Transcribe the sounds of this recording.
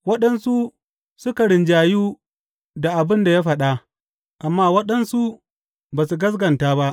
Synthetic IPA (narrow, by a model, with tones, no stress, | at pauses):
wɐ˦ɗɐ˦nsu˦ | sʊ˦ka˨ɽɪ˨nd͡ʒaː˨juː˦ | da˨ʔa˨bɪ˦nda˨jaː˦ɸɐ˨ɗa˦ʔ | ʔa˨mːaː˦wɐ˦ɗɐ˦nsu˦ | baː˨su˨ɡɐ˦s̬ɡɐ˨ntaː˦ba˦ʔ